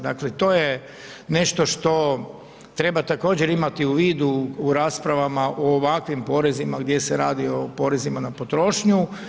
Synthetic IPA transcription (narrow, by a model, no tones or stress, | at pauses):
d̪a̰klet̪o̞ːje | ne̞ʃt̪o̞ʃt̪o̞ | t̪ɾe̞bat̪ako̞ːd͡ʑeɾimat̪iuʋiːd̪uːɾaːspɾaʋamaʔoːʋakʋimpo̞ːɾe̞zimaɡd̪je̞seɾaːd̪iopo̞ːɾe̞zimanapo̞t̪ɾo̞ːʃɲu